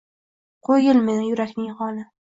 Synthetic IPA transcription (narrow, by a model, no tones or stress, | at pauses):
qʰojɪlmɪjʊɾakʲnɪŋχɒnɪ